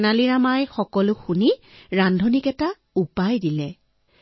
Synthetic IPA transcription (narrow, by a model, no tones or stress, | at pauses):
naliɹamajxɔkɔlʊxuniɹandʱɔnikɛta | upajdilɛ